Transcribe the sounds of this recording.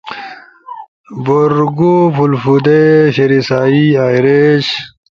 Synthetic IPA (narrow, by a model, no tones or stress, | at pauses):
boɾɡufulfud̪eɕeɾisaːiaːjɾeɕ